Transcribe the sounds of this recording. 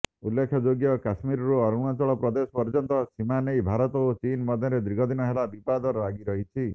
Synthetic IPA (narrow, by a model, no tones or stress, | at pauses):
ulːekʰːjɔd͡ʒoɡjɔkasmiɾɔɾuɔɾuɽ̃ɔt͡ʃɔɭɔpɾɔd̪esɔ̥pɔɾd͡ʒɔnt̪ɔsimanejbʱaɾɔt̪ɔot͡ʃinmɔd̪ʱjɔɾed̪ɾiɡʱɔd̪inɔɦelabipad̪ɔɾaɡiɾɔɦit͡ʃʰi